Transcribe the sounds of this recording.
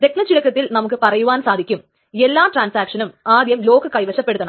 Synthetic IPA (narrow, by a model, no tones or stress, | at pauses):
d̪e̞knɐt͡ɕiɻɐkːɐt̪ːilnɐmukːɨpɐrɐjuʋaːnsaːd̪ʱikʲːum | elːaːʈraːnsaːkʂɐnumaːd̪jɐmlo̞ːkɨkɐjʋɐɕɐpːe̞ɽuðːɐn